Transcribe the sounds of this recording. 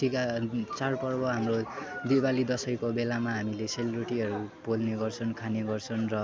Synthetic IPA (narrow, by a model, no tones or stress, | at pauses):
tʰikat͡sarpʌrbʌɦamrod̪ibalid̪ʌsʌjkobelamaɦamileselɾoʈiɦʌɾubolneɡʌrt͡sʰʌnkʰaneɡʌrt͡sʰʌnrʌ